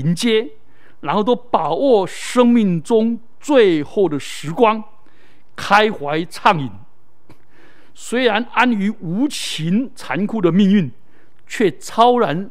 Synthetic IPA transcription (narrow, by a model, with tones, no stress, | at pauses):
i˧˦nt͡ɕjɛ˥ | ɻa˧˥nxo˥˩ʊt̪̬o˥ʊpa˨˩wɔ˥˩ | ʂɤ˥ŋmi˥˩ŋʈ͡ʂʊ˥ŋ | t͡swe˥˧ɪxo˥˩ʊd̪ə˩ʂɻ̩˧˥kwaɑ˥ŋ | kʰa˥ɪxwa˧˥ɪt͡sʰɑ˥˩ŋi˨˩n | swe˥ɪɻa˧˦na˥ny˧˥u˧˥t͡ɕʰi˧˦nt͡sʰa˧˥nkʰu˥˩də˩mi˥˧ŋy˥˩˨n | t͡ɕʰɥɛ˥˩t͡sʰɑ˥ʊɻa˧˦n